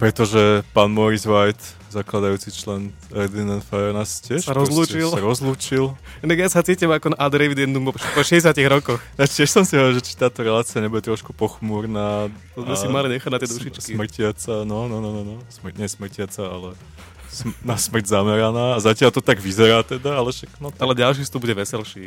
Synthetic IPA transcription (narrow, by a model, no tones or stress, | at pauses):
pɾɛt̪ɔʒɛpaːnmɔɾizʋajt̪ | zaklad̪ajuːt͡sit͡ʃlɛn | ɛɾd̪inant̪faɛɾnascɪɛʃsaɾɔzluːt͡ʃilaɾɔzluːt͡ʃil | naɡjasat͡siːcimakɔnaʔad̪ɾɛʋid̪ɛnd̪umɔpɔʃɛɟɛs̬jatciɣɾɔkɔxnat̪ɪɛʃsɔmsiɦɔʋɾʒɛt͡ʃi̥t̪aːt̪ɔɾɛlaːt͡siaɲɛbudɟɛt̪ɾɔʃkupɔxmuːɾnaːt̪ɔzmɛimaliɲɛxaɟnat̪ɪɛɛd̪uʃit͡ʃksimr̩cɪat͡sanɔnɔnɔnɔnɔsmr̩ɲɛsmr̩cɪat͡saa̰lɛ | snasmr̩ɟzamɛɾanaːazacɪalt̪ɔt̪aɡʋizɛɾaːt̪ɛd̪aalɛʃaknɔalɛɟalʃ̬ifst̪ubuɟɛʋɛsɛlʃiː